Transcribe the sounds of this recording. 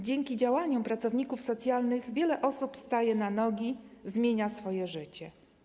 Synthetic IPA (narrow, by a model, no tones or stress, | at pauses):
d͡ʑɛŋʲkʲid͡ʑawaɲupɾat̪sɔvɲikufsɔt̪sʲjalnɘɣvʲjɛlɛʔɔsupst̪ajɛnanɔɡʲizmʲjeɲasfɔjɛʐɘt͡ɕɛ